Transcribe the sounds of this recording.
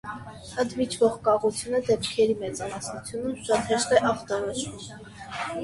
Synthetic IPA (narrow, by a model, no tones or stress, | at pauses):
ənt̪vit͡ʃʰvɔʁkɑʁut͡sʰjunəd̪ɛpkʰɛɾimɛt͡sɑmɑsnut͡sʰjunumʃɑt̪hɛʃt̪ɛʔɑχt̪ɑɾɔt͡ʃvum